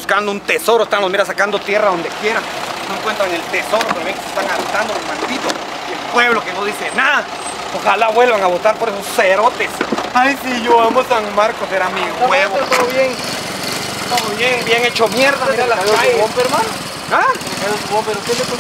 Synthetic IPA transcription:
buskand̪ount̪eso̞ɾoest̪anlozmiɾasakand̪ot̪jeraðond̪e̞kje̞ɾaŋnoeŋkwent̪ɾaŋe̞lt̪eso̞ɾopoβjeŋkese̥st̪aŋaɾet̪and̪olozmankit̪os | elpwe̞βlokenoðisena | oxalaβwe̞lβaŋaβot̪aɾpoɾesosːeɾot̪esaisiʝoamosaŋmaɾkoseɾamiɣweβot̪omoβjeŋ | t̪omoβjeŋbjeŋet͡ʃomjeɾðaɾalaoaeompeɾman | a | elosɣompeɾokelep

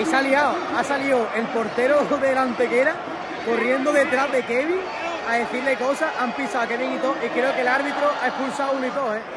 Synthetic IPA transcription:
isaljaoasalioʔe̞lpo̞ɾt̪e̞ɾoðelant̪e̞keɾa | ko̞rje̞nd̪oðe̞t̪ɾaɦðe̞ke̞βiŋ | aðe̞θiɾle̞ko̞saʔampisawakeβiŋit̪oʔikɾeokelaɾβit̪ɾoʔaehpulsawunoit̪o̞he

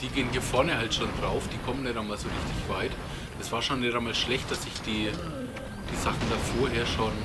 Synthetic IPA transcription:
d̥iːɡeːəniːɐfɔɐnəhaltʃoːndʁaʊfd̥iːkʰɔmənɛɾamaːlzoːʁɪçtɪçv̥aɪt | ʔɛsv̥aːɐʃoːnːɛɾamaːlʃlɛçt̚d̥asɪçd̥iː | d̥iːzaχn̩d̥afoːɐɦeːɐʃoːn

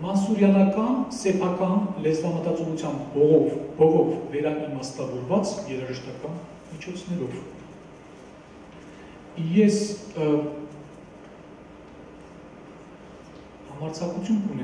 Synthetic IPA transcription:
mɑnsuɾjɑnɑkɑnsɛpʰɑkɑnlɛzvɑmət̪ɑt͡sɔʁut͡sʰjɑmbɔʁɔvb̥ɔʁɔvːɛɾɑʔimɑst̪ɑvɔɾvɑt͡sjɛɾɑʒəʃt̪ɑkɑn | mit͡ʃʰɔt͡sʰnɛɾɔv | jɛs | hɑmɑɾt͡sʰɑkut͡sʰjunkunɛ

